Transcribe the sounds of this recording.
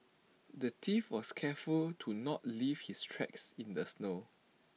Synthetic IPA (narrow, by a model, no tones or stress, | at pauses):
dətʰifwɔskʰɛfultʰunɔtlivhistʰɹɛ̰ksĩndəsno